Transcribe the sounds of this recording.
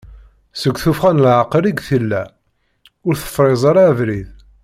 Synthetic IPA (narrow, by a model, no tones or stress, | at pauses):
səɡʷːθufχænlʕəqɾiɡθəlːæ | ʊɾθə̥fːˤɾˤezˤɑɾˤævɾið